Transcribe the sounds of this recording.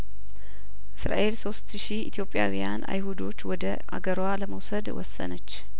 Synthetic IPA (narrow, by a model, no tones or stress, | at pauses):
ʔɨsɾa̰ʔe̞lso̞st̪ʃiit̪ʰjo̞pʼːjawijana̰jhud̪o̞t͡ʃːwɔd̪ə | a̰ɡəɾwaləməwsəd̪wɔ̰sːə̰nət͡ʃː